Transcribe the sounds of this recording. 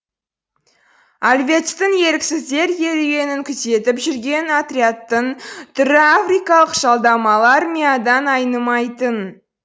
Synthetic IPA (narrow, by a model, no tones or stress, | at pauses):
alʲvʲe̞t̪st̪ɪŋje̞ɾɪksɪzd̪e̞ɾje̞ɾeɡʲe̞nɪŋkʲʰʏze̞t̪ɪpʒʏɾɡʲe̞nat̪ɾʲiat̪ːəŋt̪ʰʏɾɪafrijkɑlˠəqʒ̥ɑlˠd̪ɑmɑlˠaɾmʲijad̪ɑnɑjnəmɑjt̪ən